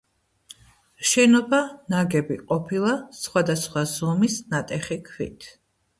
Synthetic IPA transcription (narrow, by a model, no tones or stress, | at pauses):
ʃɛnɔbanaɡɛbiqʼɔpʰilˠasχwad̪asχwazɔmisnat̪ʼɛχikʰvḭt̪ʰ